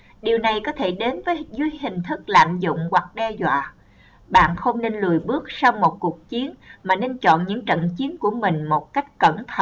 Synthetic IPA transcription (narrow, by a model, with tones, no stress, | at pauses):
ɗi˨˩əwna˨˩jkɔ˨˦t̪ʰe˧˩ɗe˨˦nvəː˨˦zwi˧jɦï˨˩ŋ̟t̪ʰɨ˦˥k̚la̰ː˧˨mzʊ̰˧˨ŋ͡mkwa˨˩k̚ɗɛ˧zwa̰ː˧˨ | ɓa̰ː˧˨nxə˧wŋ͡mne˧nlɨ˨˩əjɓɨ˦˥ək̚sa˧wmo˨˩t̚ku˨˩ək̚t͡ɕi˨˦ənmaː˨˩ne˧nt͡ɕɔ̰˧˨nɲɨ̰˧˥ŋt͡ɕə̰˧˨nt͡ɕi˨˦ənku˧˩əmï˨˩ŋ̟mo˨˩t̚ka˦˥jk̟̚kə˧˩nt̪ʰə˧